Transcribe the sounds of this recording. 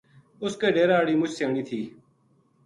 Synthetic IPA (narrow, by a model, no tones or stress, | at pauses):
ʊskeːɖeːɾaːɽiːmʊt͡ʃʰseːɽiːt̪ʰiː